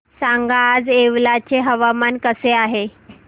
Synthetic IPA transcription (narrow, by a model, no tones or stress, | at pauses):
saŋɡaːd͡zeʋlat͡ɕeɦəʋamankəseaɦe